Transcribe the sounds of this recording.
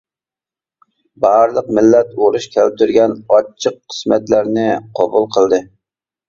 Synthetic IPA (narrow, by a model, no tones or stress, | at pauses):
bɑɾlˠəq̚mɪlːɛt̪oɾuʃkʲʰælɪp̚t̪ʰyɾɡʲɛnɑt͡ʃʰːəqːʰə̥smɛt̪læɾnɪqʰɑbulˠqʰəlˠd̪ɨ